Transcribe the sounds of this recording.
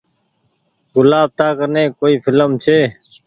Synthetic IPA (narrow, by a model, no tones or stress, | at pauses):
ɡʊlaːb̚t̪aːkəɾnẽːkoːiːfʰɪləmt͡ʃʰeː